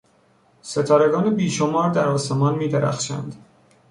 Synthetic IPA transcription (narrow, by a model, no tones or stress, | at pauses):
se̞t̪ʰɒːɾe̞ɡɒːnebiːʃo̞mɒːɾd̪æɾɒːse̞mɒːnmiːd̪eɾæ̰xʃæ̰nd̪̥